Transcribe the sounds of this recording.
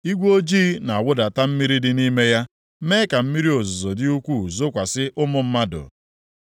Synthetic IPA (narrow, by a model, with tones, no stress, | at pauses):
i˦ɡʷo˦d͡ʒi˦na˨a˨wʊ˦da˨ta˦m̩˦mi˦ɾi˦dɪ˦ni˦me˦ja˦ | me˦ka˨m̩˦mi˦ɾi˦o˨zʊ˨zo˨dɪ˦u˦kʷu˦˨zʊ˦kʷa˨sɪ˦ʔʊ˦mʊ˦m̩˦ma˦dʊ̰˨